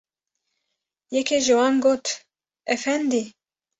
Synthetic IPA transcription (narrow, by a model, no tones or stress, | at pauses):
jɛkʰeʒɨwɑːnɡoːt̪ | ɛfɛnd̪i